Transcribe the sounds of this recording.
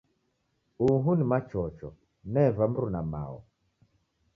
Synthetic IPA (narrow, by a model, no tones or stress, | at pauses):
uɦunimat͡ʃɔt͡ʃɔ̰ | nɛvam̩ɾunama̰ɔ̰